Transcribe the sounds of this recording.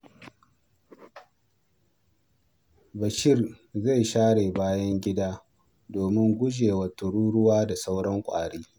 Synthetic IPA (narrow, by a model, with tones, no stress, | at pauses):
bɐ˨ʃɪ˦rza˦˨jʃaː˦ɽeː˨baː˦jɐ˦ŋɡʲɪ˦daː˦ | doː˨mɪ˦ŋɡʷʊ˦d͡ʒeː˨wɐ˨tʊ˨ɽuː˦ɽʊ˦waː˦da˨sa˦wɽɐ˦ŋkʷʼa̰ː˨ɽeː˦